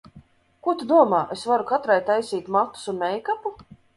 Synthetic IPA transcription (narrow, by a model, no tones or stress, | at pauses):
kuɔt̪ud̪uɔmaːʔesvaɾukat̪ɾajt̪ajsiːt̪mat̪ːu̥sunmɛjkapu